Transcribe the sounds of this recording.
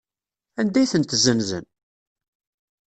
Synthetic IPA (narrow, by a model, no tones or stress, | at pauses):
ænd̪æjθənt̪zənzə̰n